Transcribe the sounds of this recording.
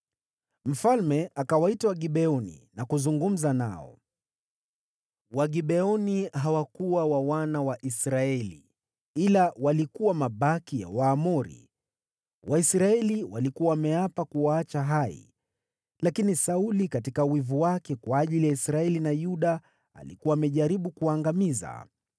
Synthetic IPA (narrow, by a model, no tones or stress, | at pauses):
m̩falmɛakawaitawaɠiɓɛɔnḭnakuzuŋɡum̩zana̰ɔ̰ | waɠiɓɛɔniɦawakuwawawanawaʔisɾaɛlḭ | ilawalikuwamaɓakija̰waːmɔɾḭ | wʔaisɾaɛliwalikuawamɛapakuaat͡ʃaɦaḭ | lakinisaulikatikawivuwakɛkwaːʄilijaisɾaɛlinajuɗa | a̰likuwaːmɛʄaɾiɓukuwaŋɡamiza̰